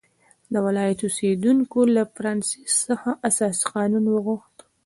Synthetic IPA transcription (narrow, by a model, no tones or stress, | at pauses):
d̪əwɪlɑjat̪osed̪uŋkolafaɾɑnsi̥sːəxaʔasɑsi̥qɑnunwəɣuxt̪